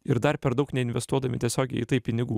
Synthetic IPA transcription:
ɪɾd̪ɐɾpʲɛɾd̪ɐʊknʲɛɪnʋʲɛst̪uɔd̪ɐmʲɪt̪ʲiɛsʲoːɡʲɛɪiːt̪ɐɪpʲɪnʲɪɡuː

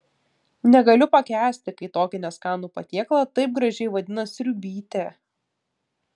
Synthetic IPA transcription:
nʲɛɡɐlʲʊpɐkʲæːsʲt̪ʲɪkɐɪt̪oːkʲɪnʲɛskɑːnuːpɐt̪ʲiɛklˠɐt̪ɐɪp̚ɡɾɐʒʲɛɪʋɐd̪ʲɪnɐsʲɾʲʊbʲiːt̪ʲeː

